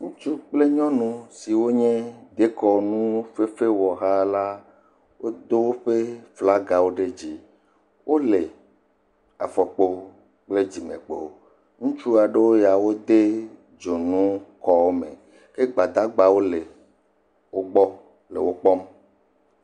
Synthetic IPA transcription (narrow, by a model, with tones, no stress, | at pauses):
ŋũ˦t͡ʃu˦k͡ple˦ɲɔ̃˦nũ˦si˨wo˦ɲɛ̃˦d̪e˦kɔ˦nũ˦fe˦fe˦wɔ˨ɦa˦la˦ | wo˦d̪o˦wo˦ɸe˦fla˦ɡa˨wo˦ɖe˦d͡ʑi˦ | wʔo˦le˨ | a̰˨fɔ˨k͡po˦ | k͡ple˦d͡ʑi˨mḛ̃˨k͡po̰˨ | ŋũ˦t͡ʃu˦a˨ɖe˦wo˦ja˨wo˦d̪e˦ | d͡ʒo˨nũ˦kɔ˦wo˦mḛ̃˨ | ke˦ɡ͡ba˨d̪a˦ɡ͡ba˨wo˦le˨ | wo˦ɡ͡bɔ˦ | lḛ˨wo˦k͡pɔ˦m